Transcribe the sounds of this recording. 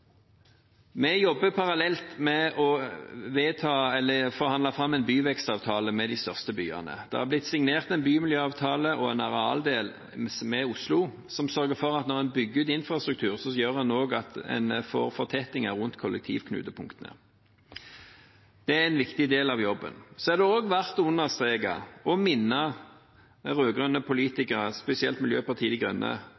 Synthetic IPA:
mɛjɔbːəpʰɑʁɑlɛlt̪mɛɔʋeːt̪ʰɑːɛlːəfɔʁhɑnd̪ɑfʁɑmːɛɪnbyːʋɛkst̪ɑːʋt̪ʰɑːləmɛd̪ɪst̪œʁst̪əbyːɑ̰nə̰d̪̥ɛ̰hɑblɪt̪sɪŋneːʁt̪ɛnbyːmɪljøːɑːʋt̪ʰɑːləʔɔɛnɑʁɛɑ̰ːld̪eːl | mɛʊslʊ | sɔmsœʁɡəfɔʁɑt̪nɔʁɛnbʏɡːʉːt̪ɪnfʁɑst̪ɾʉkt̪ʰʉːʁsɔjøːʁhɑnoːɡɑt̪ɛ̰nfo̰ːʁfɔt̪ʰɛt̪ɪŋæʁʊnt̪kʰɔlʔɛk̚t̪ʰḭːʋkʰnʉ̰ːt̪əpʰʊŋkt̪ənə̰ | d̪̥ɛæɛnʋɪkt̪ɪd̪eːlɑʋjɔbːə̰nsɔæʁd̪ɛoːɡʋæʁt̪ʊnːəʁst̪ʁeːɡɑ̰ɔmɪnːɑ | ʁøːɡʁœnːəpʰʊliːt̪ɪkəʁəspɛsɪɛlt̪mɪljøːpɑʁt̪ʰiːd̪ɪɡʁœ̰nːə̰

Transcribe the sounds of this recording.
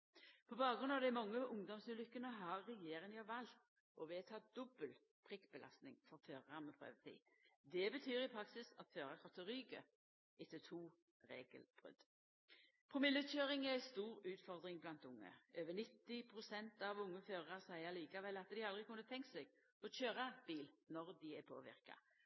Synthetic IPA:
pʰɔbɑːɡʁʉnɑʋd̪ɛmɑŋːəʊŋd̪ɔmsʉːlʏkːənəɦɑʁːɛjeːʁɪŋjɔʋɑlt̪ | ʔɔʋeːt̪ʰɑːd̪̥ɔbəl | pʰʁɪkb̥əlʔɑ̰st̪nɪ̰ŋfɔʁføːʁəɑmɛpʰɾø̰ːʋət̪ʰḭːd̪ɛbət̪ʰyːɾɪpʰɾɑksɪsɑt̪føːʁəkʰɔt̪ʰːəɾyːɡə̰ | ɪt̪ːət̪ʰuː | ɾḛːɡə̰lb̥ʁʏ̰d̪̥ | pʰʁʊmɪlːət̪ɕøːʁɪŋæɾæɪst̪uːʁʉːt̪fɔʁd̪ʁɪŋblɑnt̪ʊŋːə̰øːʋənɪt̪ːɪpʰʁʊsɛnt̪ɑʋʊŋːəføːʁəʁɑsæɪəliːkɑʋɛlːɑt̪d̪ɪɑld̪ʁɪkʰʊnːət̪ʰɛŋksɛɡ | ɔɕøːʁɑb̥iːlnɔʁd̪ɪæpʰo̰ːʋɪ̰ʁkɑ̰

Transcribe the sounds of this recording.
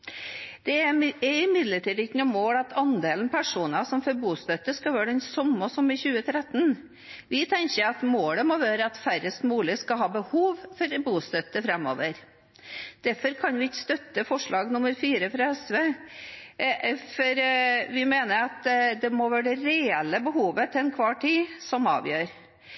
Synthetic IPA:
d̪̥ɛæɛɾɪmɪd̪ləʈiːd̪ɪkːənʊmoːlɑt̪ʰɑnd̪eːlnpʰæʂuːnəsɔmfɔɾbuːst̪œt̪ːəskɑʋæːəɖɛnsɔmːəsɔməçʉːət̪ʰɾɛt̪ːn | ʋɪt̪ʰɛɲçəɑt̪moːləmɔʋæːɾəɑt̪fæɾəst̪muːlɪskɑɦɑːbəhuːʋfɔɾbuːst̪œt̪ːəfɾɛmːo̰ːʋəɾ | d̪̥æɾfɔɾkʰɑnʋɪɪkːst̪œt̪ːəfɔʂɭɑːɡnʊmːəɾfiːɾəfɾɑɛsʋeː | fɔɾʋɪmeːnəɾɑt̪d̪ɛmoʋæːɖəɾɛɛlːəbəhuːʋət̪ʰɪɛnkʰʋɑːʈʰiːsɔmɑ̰ːʋjøːɾ

